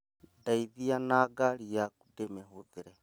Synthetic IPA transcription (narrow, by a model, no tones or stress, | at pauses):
daiðianaɡaɾijaku̥dɛmɛɦuðiɾɛ